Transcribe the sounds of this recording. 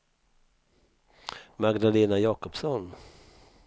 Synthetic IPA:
maɡd̪aleːnajɑːkɔpsɔn

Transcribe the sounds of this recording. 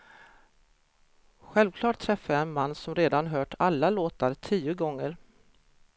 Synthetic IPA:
ɧɛlvkʰlɑːʈ̚t̪ʰɾɛfːaɛnmanːsɔmɾeːd̪anɦœːʈʰalːaloːt̪aɾtʰiːʊɡɔŋːəɾ

